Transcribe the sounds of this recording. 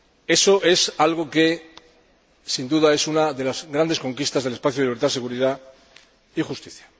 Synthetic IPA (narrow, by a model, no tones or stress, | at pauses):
e̞so̞ʔe̞salɣ̞o̞ke̞ | sind̪uðae̞sunaðe̞lazɣɾand̪e̞sko̞ŋkist̪azðelespaθjuðliβ̞ɾt̪ase̞ɣuɾiða | ixust̪iθjḁ